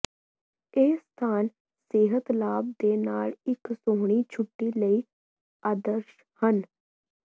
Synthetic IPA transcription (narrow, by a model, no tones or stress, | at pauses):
eːst̪ʰaːn | seːɦət̪laːb̚d̪eːnaːlɪksoːɦɽ̃iːt͡ʃʰʊʈːiːləiː | aːd̪əɾʃ | hən